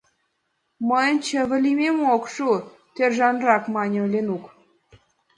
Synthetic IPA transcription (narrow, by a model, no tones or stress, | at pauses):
məjə̆nt͡ɕə̆βə̆lʲimʲemokʃu | t̪erʒɑnrɑkmɑnʲəlʲenuk